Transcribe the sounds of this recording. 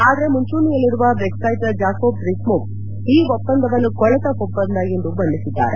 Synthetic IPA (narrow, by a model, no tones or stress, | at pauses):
aːd̪ɐɾe̞muɲt͡ʃuːnijɐlːiɾuʋɐbeksaːjt̪ɐd͡ʒaːkoːpɾismup̚ | iːʋɔpːɐnd̪ʱɐʋɐnːukɔɭɐt̪ɐɦɔpːɐnd̪ajend̪ubɐnd̪isid̪ːa̰ːɾe